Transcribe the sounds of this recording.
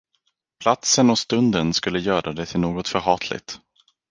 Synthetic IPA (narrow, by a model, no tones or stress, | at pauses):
pʰlat̪sənɔst̪ɵnd̪ənskɵlːəjœːɾʔad̪ɛt̪ʰɪlnoːɡɔt̪fœɾɦɑːt̪ʰlɪ̰t̪